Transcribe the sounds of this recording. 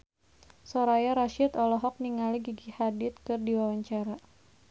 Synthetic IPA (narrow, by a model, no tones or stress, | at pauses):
sɔɾajaɾaʃɪt̪ɔlɔɦɔk̚niŋaliɡiɡihadɪt̪̚kɨrdiwawaɲt͡ʃaɾa